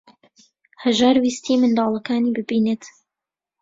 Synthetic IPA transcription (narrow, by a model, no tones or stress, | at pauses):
hɐʒaːɾwist̪ʰimɨnd̪ɑːlˠɐkaːniːbɨbiːnet̪